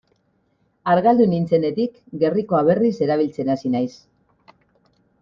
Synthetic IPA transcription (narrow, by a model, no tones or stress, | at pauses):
aɾɣald̪unint͡se̞ne̞t̪ik | ɡe̞riko̞aβ̞e̞rise̞ɾaβ̞ilt͡se̞nasinajs